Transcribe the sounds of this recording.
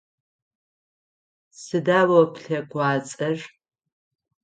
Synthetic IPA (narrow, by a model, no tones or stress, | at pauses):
sɨdaːwɐpɬɐkʷʰɑːt͡sʼɐʒ